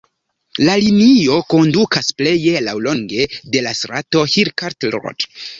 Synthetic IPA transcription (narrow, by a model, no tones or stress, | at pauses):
lalinio̞ko̞ndukʰasple̞je̞lawlo̞ŋɡe̞de̞lasɾato̞hiɾkaɾtlɾo̰d